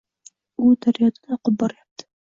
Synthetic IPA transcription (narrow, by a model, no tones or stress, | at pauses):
ʊd̪aɾjɒd̪anɒqɨp̚bɒɾɪjap̚t̪ʰɪ̥